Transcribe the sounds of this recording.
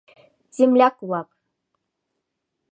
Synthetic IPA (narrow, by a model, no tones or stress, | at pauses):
zemlʲækuwɑp